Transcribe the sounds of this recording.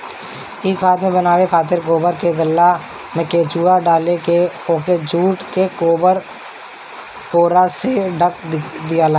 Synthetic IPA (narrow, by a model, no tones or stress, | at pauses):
ɪːkʰaːt̪mẽbənaːʋekʰaːt̪̬ɪɾkoːbəɾkeɡəlːa | mɛ̃keːt͡ʃuːaɖaːlekeõked͡ʒuːʈkekoːbəɾ | koːɾaseɖʱəkd̪ijala